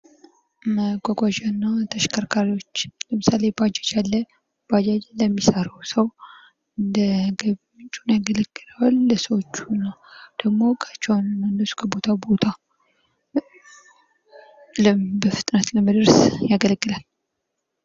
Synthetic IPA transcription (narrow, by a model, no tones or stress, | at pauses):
məɡʷaɡʷaʒanːat̪ʰəʃkʰəɾkʰaɾiwot͡ʃːləmɨsale̞bad͡ʒad͡ʒalːə | b̥ad͡ʒad͡ʒləmːisəɾawsəw | ɨnd̪əɡəβ | t͡ʃʼunjaɡələɡːɨlalːəsəwot͡ʃːunːawd̪̥əɡmo̞kʰə̥t͡ʃːɛwnmənːəsu̥kʰəbo̞t̪ʰabo̞t̪ʰa | ləbəfɨt̪ʼnət̪ləməd̪ɨɾsjaɡələɡːɨlal